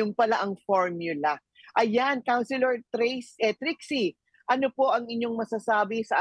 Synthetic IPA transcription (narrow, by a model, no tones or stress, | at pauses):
ʊŋpɐlaʔɐŋfoɹmjʊlɐ | ʔɐjankawnsɪlɛɹt̪ɾesɛt̪ɾiksi | ʔɐnopo̞ʔɐŋɪɲo̞ŋmɐsɐsaːbɪsɐʔa